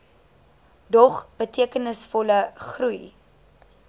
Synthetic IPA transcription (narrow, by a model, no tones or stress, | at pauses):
dɔχb̥ətʰiəkənəsfɔləχruj